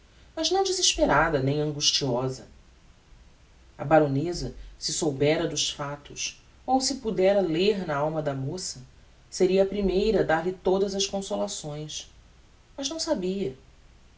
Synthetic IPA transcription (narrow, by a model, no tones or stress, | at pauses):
mɐznɐ̃w̃d͡ʒiziʃpeɾad̪ɐnẽj̃ɐ̃ŋɡuʃt͡ʃiɔzɐ | ɐ̰baɾonezɐsɪsowbɛɾɐd̪ʊʃfat̪ʊs | owsɪpud̪ɛɾɐleɾnɐawmɐd̪ɐmosɐ | seɾiɐːpɾimejɾɐd̪aɾlit̪od̪ɐzɐskõsolasõj̃s | mɐʒnɐ̃w̃sabiɐ